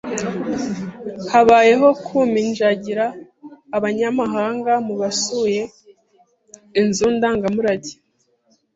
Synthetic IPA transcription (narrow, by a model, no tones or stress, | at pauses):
haβaːje̞ɦo̞kʰuminʒaɟiɾaː | βaɲamaɦaːŋɡamuβasuje̞ | inzuːndaŋɡamuɾaɟi